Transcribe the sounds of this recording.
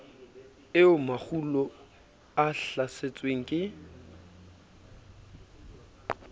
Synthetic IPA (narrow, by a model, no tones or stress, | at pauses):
ɪʊmak͡xʰulɔ | aɬaset͡sʼweŋ̩kʼɪ